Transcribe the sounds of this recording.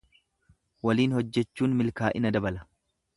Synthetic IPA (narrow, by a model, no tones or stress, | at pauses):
wɐliːnhɔd͡ʒːɛt͡ʃːuːnmɪlkaːʔɪnɐd̪ɐbɐlɐ